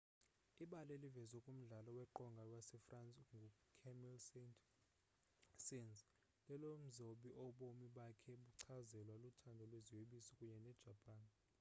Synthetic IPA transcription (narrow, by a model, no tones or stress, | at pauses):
iɓalelivɛzwɛkʼum̩ɮalɔwɛǃɔŋɡʱawasɛfrant͡sʼŋɡʱukʰɛmilsentʰʼ | sinz | lɛlom̩zoɓiʔɔɓomiɓakʰɛɓuǀʰazɛlwalutʰandʱɔlweziweɓisɔkʼuɲɛnɛd̥ʒ̥ʱapʼaːn